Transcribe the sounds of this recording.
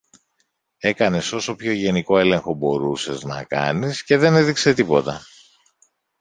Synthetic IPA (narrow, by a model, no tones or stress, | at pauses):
e̞kɐne̞so̞so̞pço̞ʝe̞niko̞e̞le̞ŋxo̞bo̞ɾuse̞znɐ̰kɐ̰nisce̞ðe̞ne̞ðikse̞t̪ipo̞t̪ɐ